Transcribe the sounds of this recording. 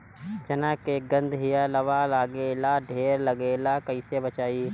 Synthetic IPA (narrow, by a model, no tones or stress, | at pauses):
d͡ʒɐnaːkeɡə̃nd̪ɦijalɐʋalaːɡeːlaɖʱeːɾlɐɡeːlakɐisebət͡ʃaːi